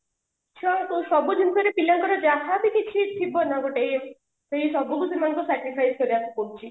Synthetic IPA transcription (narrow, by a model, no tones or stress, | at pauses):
t͡ʃʰuaŋt̪usɔbud͡ʒʱunt̪ɔɾepilaŋkɔɾɔd͡ʒaɦabikit͡ʃʰit̪ʰibɔnaɡoʈej | seɦisɔbukusemankɔsɛkɾipʰajskɔɾiasɔpoɦut͡ʃʰi